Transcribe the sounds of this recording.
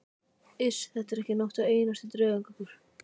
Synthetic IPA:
ɪsθɛt̪ːɛɾɛhcɪnɔwht̪aeːjnast̪ɪt̪ɾœːɣaŋkakʏɾ̥

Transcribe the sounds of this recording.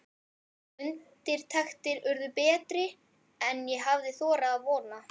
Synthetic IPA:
ʏnt̪ɪɾ̥t̪ʰɛxt̪ɪɾʏɾðʏpɛːt̪ɾɪ | ɛnjɛɦavðɪθɔːɾaːðvɔːna

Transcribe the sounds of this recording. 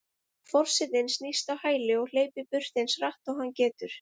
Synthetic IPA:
fɔr̥sɪðɪnsnist̪awhaːjlɪɔɣl̥eːjpɪpʏr̥t̪ɪnsraht̪ɔwɣɦanːcɛːt̪ʏɾ̥

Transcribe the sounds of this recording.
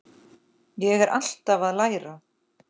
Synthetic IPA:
jɛɣɛɾʔa̰l̥t̪avaðlaːjɾa

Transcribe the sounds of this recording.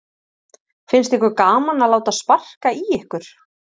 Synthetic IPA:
fɪnst̪ɛhkʏɾkaːmanalaːwt̪aspar̥kaiɛhkʏɾ̥

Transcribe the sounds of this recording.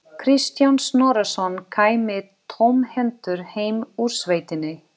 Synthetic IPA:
kʰɾist̪jansnɔːɾasɔnkʰaːjmɪt̪ʰowmhɛnt̪ʏɾ̥heːjmuɾ̥svejt̪ɪnːɪ

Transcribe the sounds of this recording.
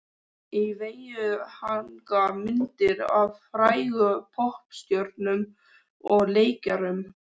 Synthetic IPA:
iveːjʏhaŋkamɪnt̪ɪɾavfɾaːjɣʏpʰɔhpst̪jœɾt̪nʏm | ɔɣleːjcaɾʏm

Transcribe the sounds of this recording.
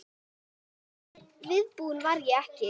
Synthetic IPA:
vɪðpuːnvaɾjɛɛhcɪ

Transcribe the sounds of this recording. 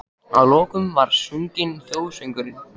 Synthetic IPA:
a̰ðlɔːkʏmvaɾ̥suŋcɪnθjoːwsœŋkʏɾɪn

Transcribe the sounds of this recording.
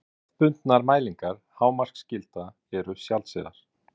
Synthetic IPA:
pʏnt̪naɾmaːjliŋkaɾ̥haːwmar̥kscɪlt̪a | ɛɾʏsjalsɪ̰ða̰ɾ̥

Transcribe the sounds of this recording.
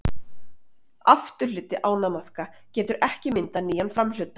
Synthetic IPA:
aft̪ʏ̥lʏːt̪ɪʔaːwnamaθka | cɛːt̪ʏɾʔɛhcɪmɪnt̪aniːjanfɾaml̥ʏt̪ːa

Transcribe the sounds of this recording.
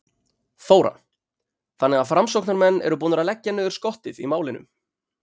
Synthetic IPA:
θoːwɾa̰ | θanːɛɣafɾamsowknaɾmɛnːɛ̰ɾʏpuːnʏɾaðlɛcːanœːðʏɾ̥skɔht̪ɪðḭmaːwlɪnʏ̰m

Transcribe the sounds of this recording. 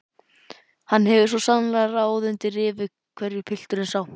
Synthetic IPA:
hanːɦɛvɪ̥svɔsanlaɾaːwðʏnt̪ɪrɪːvɪ | kʰvɛɾjʏpʰɪl̥t̪ʏɾɪnsaw

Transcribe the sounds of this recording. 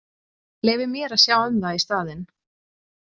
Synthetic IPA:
leːjvɪɾmjɛːɾaðsjaːwʏmðaist̪aːðɪn

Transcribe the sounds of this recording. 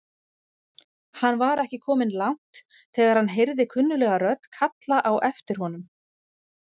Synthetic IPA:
hanːvaɾɛhcɪkʰɔːmɪnlawŋ̥t̪θɛːɣaɾ̥hanːɦejɾðɪkʰʏnːʏlɛːɣaɾœt̪kʰat̪laʔawʔɛft̪ɪɾ̥hɔnʏm

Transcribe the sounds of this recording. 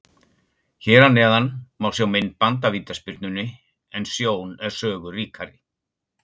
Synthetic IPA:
çɛːɾanːɛːðanmaːwsjawmɪnːpant̪aviːt̪aspɪɾ̥t̪nʏnːɪ | ɛnsjoːwnɛɾ̥sœːɣʏriːkʰaɾɪ

